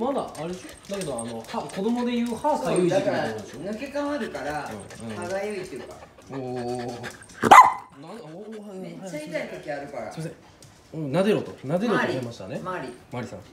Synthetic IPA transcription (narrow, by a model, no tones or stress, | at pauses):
mad̪a̰ːɾed̪eɕod̪ake̞d̪o̞ano̞hako̞d̪o̞mo̞d̪e̞jɯ̟ːhaːsajoiikaad̪sonɯ̟ke̞kãaɾɯ̟kaɾaɯ̰̃ɯ̃haɡajoit̪ːɯɯka̰ | oː | naohẽhaait̪ait̪okʲiaɾɯ̟kaɾa̰simasẽ | ɯ̟̃nad̪eɾot̪onad̪e̞ɾoɾʲiemaɕi̥t̪anemaɾʲimaɾʲisã̰